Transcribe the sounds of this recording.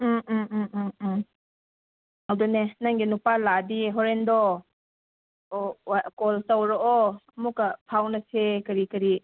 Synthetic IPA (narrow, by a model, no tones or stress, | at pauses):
m̩ | awdɔnenaŋɡinupaladiɦɔɾendɔ | akɔltawɾɔɔmukapʰawnɐsekɐɾikɐɾi